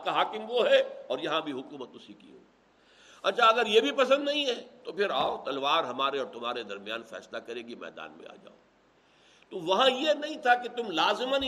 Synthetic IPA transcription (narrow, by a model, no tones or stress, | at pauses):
kaɦaːkɪmʋoɦɛɔːɾjɐɦãbʱiɦʊkuːmət̪ʊsikḭɦo̰ːi | ɐtːʃʰaɐɡəɾjebʱipɐsə̃nd̪nɐɦĩɦɛt̪opʰɪɾaːot̪ɐlʋaːɾɦɐmaːɾeɔːɾt̪ʊmɦaːɾed̪ɐɾmjaːnfɛ̰ːslakɐɾeːɡimɛ̰ːd̪a̰ːnmḛ̃a̰ːd͡ʒa̰ːo | t̪oʋɐɦãjenɐɦĩt̪ʰaket̪ʊmlaːzɪmən